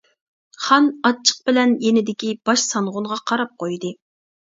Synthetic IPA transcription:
χɑnɑt͡ʃʰːə̥q̚bɪlɛnjenɪd̪ɪkʲib̥ɑʃsɑɴʁʊnʁɑqʰɑɾɑp̚qojd̪ɨ

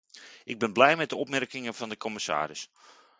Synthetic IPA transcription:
ʔɪɡ̚bɪnblɛjmɛt̚dəɔpmɛrkɪŋəvɑndəkʰɔmɪsa̰ːɾɪs

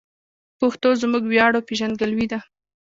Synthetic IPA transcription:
pʊxt̪ozmuɡwjɑɽopeʒand̪̚ɡalwid̪a

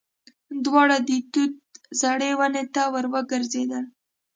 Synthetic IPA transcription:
d̪wɑɽad̪it̪ut̪̚zaɽewanet̪awəɾwəɡəɾzed̪əl

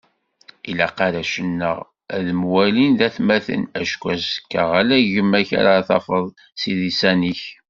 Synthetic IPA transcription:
ilæqɑɾæʃənːə̰ʁ | æðmwælinðæθmæθə̰næʃkʷæsə̥kːəʁælæʝəmːæça̰ɾaθɑ̰fəðˤ | siðisæniç

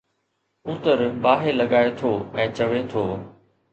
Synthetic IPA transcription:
ʊt̪əɾbaːɦelɐɠaːet̪ʰoːɛ̃ːt͡ɕɐʋet̪ʰoː

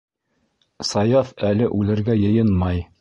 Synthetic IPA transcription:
sɑjɑfælɘʔʉlɘ̆ɾɡæjɤ̆jɤnmɑj

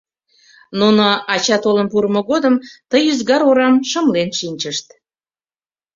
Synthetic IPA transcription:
nunoɑt͡ɕɑt̪olənpuɾəmoɣod̪əmt̪əjyzɣɑɾoɾɑmʃəmlenʃinʲt͡ɕəʃt̪̚

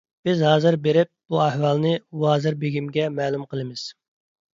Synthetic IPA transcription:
b̥ɪzhɑːzɨɾbeɾɪp̚b̥uɛhwɑlˠnɨwɑːzɨɾbeɡʲimɡʲɛmɛːlˠumqʰəlˠɨmɪz̥

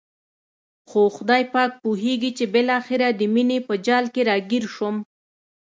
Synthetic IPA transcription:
xoxʊd̪ɑjpɑk̚puɦeɡit͡ʃebɪlɑxɪɾad̪əminepəd͡ʒɑlkeɾɑɡiɾʃom

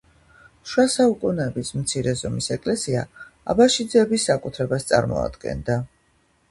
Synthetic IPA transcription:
ʃwasaukʼunɛːbismt̪sʰiɾɛzɔmisɛkʼlɛsia̰ | a̰baʃid̪zɛbisːakʼut̪ʰɾɛbast̪sʼa̰ɾmɔ̰a̰d̪̥ɡɛ̰nd̪a

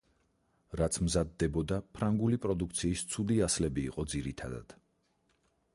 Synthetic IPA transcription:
ɾat̪sʰmzad̪ːɛbɔd̪apʰɾaŋɡulipʼɾɔd̪ukʰt̪sʰiːst̪sʰud̪iaslɛbiːqʼɔd̪ziɾit̪ʰa̰d̪a̰d̪̥

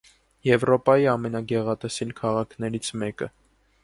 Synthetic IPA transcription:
jɛvɾɔpɑjiɑmɛnɑɡɛʁɑt̪ɛsɛlkʰɑʁɑkʰnɛɾit͡sʰmɛkə

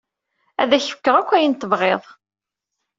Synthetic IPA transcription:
æ̰ðæçfə̥kːəʁækʷːæjənt̪ːəvʁeðˤ

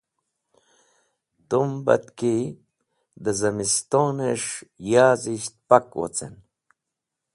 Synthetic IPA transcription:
t̪umba̰t̪ki | d̪əzəmist̪oneʂjaːziʃt̪̚pakwo̰t͡sḛn

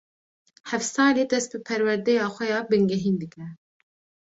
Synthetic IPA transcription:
hɛfsɑːleːd̪ɛst̪̚bɨpʰɛɾwɛɾd̪ɛjɑːxʷɛjɑːbɨŋɡɛɦiːnd̪ɨkɾɛ

